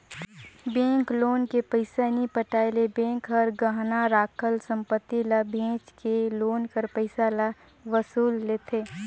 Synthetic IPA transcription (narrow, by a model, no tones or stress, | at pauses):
bẽːŋkloːnkepəɪsanipəʈaːjlebẽːŋkɦɐɾɡəɦnaɾaːkʰəlsə̃mpət̪ːilabʱẽːt͡ʃkeloːnkəɾpəɪsala | ʋəsuːlːeːt̪ʰeː